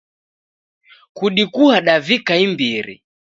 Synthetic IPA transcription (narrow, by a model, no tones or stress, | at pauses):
kuɗikuhaɗavikaimbiɾḭ